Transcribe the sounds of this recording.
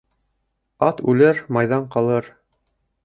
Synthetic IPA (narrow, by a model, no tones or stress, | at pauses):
ɑt̪ʉlɘɾmɑjðɑɴqɑlˠɤɾ